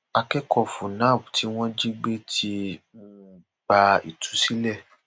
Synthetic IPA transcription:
a˧kɛ˦kɔ˦˨fũ˨nã˦˨bti˨˦w̃ɔ̃˦d͡ʒi˦ɡ͡be˦tʰi˧m̩˦ | b̥a˧ḭ˨tʰu̥˨˦si˦lɛ˦˨

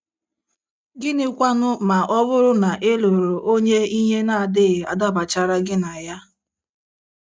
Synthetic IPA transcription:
ɡɪ˦nɪ˦kʷa˦nʊ˦ma˨ʔɔ˦bʊ˦ɾʊ˦na˨ʔe˦lo˨ɾo˨ʔo˦ɲe˦i˦ɲe˦na˨a˨dɪ˦˨a̰˨da˦ba˨t͡ʃa˦ɾa˦ɡɪ˦na˨ja˦

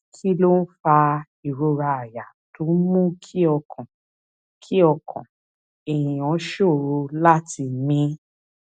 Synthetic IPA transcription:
kʰi˦lo˦n̩˦fa˧ | i˨ɾo˧ɾa˧a˨ja˨to˨˦mũ˦kʰi˦ɔ˧kʰɔ̃˨ | kʰi˦ɔ˧kʰɔ̰̃˨ | e˨jĩ˨ɔ̃˨˦ʃo˦˨ɾo˧la˦ti˧mĩ˧˦

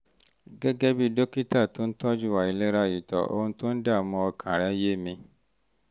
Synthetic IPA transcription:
ɡɛ˦ɡɛ˦bi˦do˦ki˦ta˦˨tõ˦n̩˦tɔ˦d͡ʒu˦˨wa˨i˨˦le˦ɾa˧˨ji˨tɔ̰˨ʔo̰˧hũ˧tõ˦n̩˦da˦˨mɔ̃˧ɔ˧kʰã˨ɾa˨˦je˦˨mĩ˧

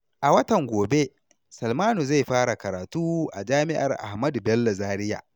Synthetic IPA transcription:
ʔa˨wɐ˦tɐ˨ŋɡʷoː˨be˦ | sɐ˨lmaː˦nu˨za˦˨jɸaː˦ɽa˨kɐ˨ɾaː˨tuː˦ʔa̰˨d͡ʒaː˦mɪ˦ʔa̰˨rʔa̰˨hmɐ˦du˨bɛ˦lːo˨zaː˦ɾɪ˦ja̰˨

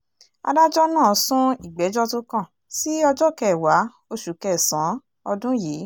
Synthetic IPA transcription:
a̰˧da˦d͡ʒɔ˦nãː˦˨˦sũ˦i˦˨ɡ͡bɛ˨˦d͡ʒɔ˦tũ˦kã˦˨ | si˦ɔ˧d͡ʒɔ˦˨kɛ˦˨wa˨˦ | o˧ʃu˨kɛ˦˨sã˨˦ | ɔ˧dũ˦jiː˨˦

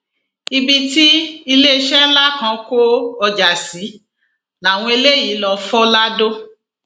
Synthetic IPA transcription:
i˧bi˧ti˦i˧le˦e˧ʃɛ˦n̩˦la˦kã˧˦ko˦ɔ˧d͡ʒa˨si˨˦ | la˨w̃ɔ̃˧i˧le˦ji˨˦lɔ˧fɔ˦la˦do˦

